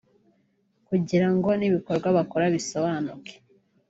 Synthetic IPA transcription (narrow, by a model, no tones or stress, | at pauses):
kuɟiɾaŋɡo̞niβiko̞ɾɡwaβakoɾaβiso̞βanuke̥